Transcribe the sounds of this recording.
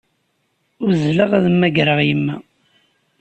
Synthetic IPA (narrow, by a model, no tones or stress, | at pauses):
ʊɾzləʁæðmːæɡɾəʁjəmːæ